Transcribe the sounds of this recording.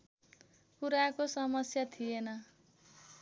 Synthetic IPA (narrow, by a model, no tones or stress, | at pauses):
kuɾakosʌmʌsjat̪ʰijenʌ